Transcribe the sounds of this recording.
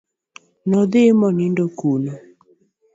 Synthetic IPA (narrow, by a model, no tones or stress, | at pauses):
nɔd̪ɪmɔnɪndokuno